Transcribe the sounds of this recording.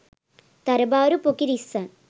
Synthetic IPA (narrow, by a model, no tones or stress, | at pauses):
t̪ɐɾɐbaːɾupokːiɾisɐn